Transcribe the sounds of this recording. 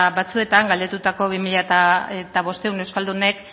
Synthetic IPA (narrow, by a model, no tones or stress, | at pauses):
βat͡sue̞t̪aŋɡald̪et̪ut̪ako̞βimiʎat̪aet̪aβo̞st̪e̞unewskald̪une̞k